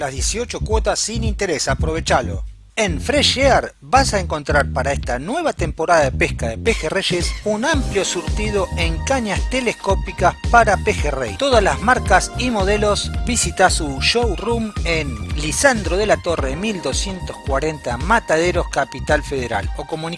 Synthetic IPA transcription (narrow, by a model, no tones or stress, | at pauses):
lazðjesio̞t͡ʃo̞kwo̞t̪asːinint̪eɾesapɾo̞β̞e̞t͡ʃalo̞̰ | enfɾeʃeaɾ | βasaeŋko̞nt̪ɾaɾpaɾaest̪anwe̞βat̪e̞mpo̞ɾaðaðepehkaðepexereʃesunampljo̞suɾt̪ið̞o̞ʔeŋkaɲast̪e̞lesko̞pikaspaɾapexerḛjt̪o̞ð̞alazmaɾkasimo̞ð̞e̞lo̞sbisit̪asuʃowrumenlisand̪ɾoð̞e̞lat̪o̞reðemild̪o̞sje̞nt̪ohkwaɾe̞nt̪amat̪að̞e̞ɾo̞skapit̪alfeð̞eɾa̰lo̞ko̞muni